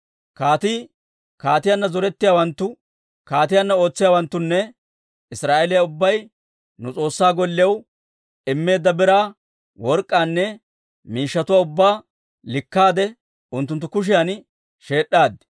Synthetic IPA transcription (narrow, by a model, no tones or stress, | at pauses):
kaːt̪i | kaːt̪ɪjanːɐzɔɾɛt̪ːɪjaːwɐnt̪ːʊ | kaːt̪ɪjanːɐo̞ːt͡sːɪjaːwɐnt̪ːʊnːɛ | ɪsɾaːʔelɪjɐʊbːɐj | nʊt͡sʼo̞ːsːaːɡɔlːɪjɐw | ɪmːe̞ːd̪ːɐbɛɾaː | wɔɾkʼːaːnːɛ | miːʃːɐt̪ʊwaːʊbːaː | lɪkːaːd̪ɛ | ʊnt̪ːʊnt̪ːʊkʊʃ̬ɪjɐn | ʃe̞ːɗːaːd̪ɪ̥